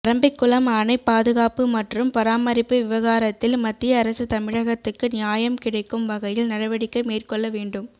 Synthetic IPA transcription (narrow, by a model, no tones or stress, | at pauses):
ɐɾɐmbɐɪkːʊlɐmaːnɐɪpːaːðɯɣaːpɯmɐʈrɯmpɐɾaːmɐɾɪpːɯʋɪʋɐɣaːɾɐt̪ːɪlmɐt̪ːɪjɐːɾɐsɯt̪ɐmɪɻɐɣɐt̪ːɯkːɯnɪjaːjɐmkɪɽɐɪkːɯmʋɐɣɐjɪlnɐɽɐʋɐɽɪkːɐɪmeːrkɔɭːɐʋeːɳɖɯm